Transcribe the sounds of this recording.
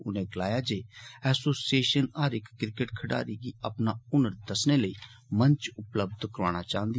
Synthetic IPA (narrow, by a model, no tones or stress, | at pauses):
ʊ̰nẽːɡəlaːjaːd͡ʒeːɛːsoːsieːʃənaɾɪkːɪɾkəʈkʰəɽa̰ːɾiːɡiːəpnaːʊnəɾd̪əsneːləiː | mə̃ɲt͡ʃʊpləb̚d̪kəɾaːɽ̃aːt͡ʃaːɦə̃nd̪i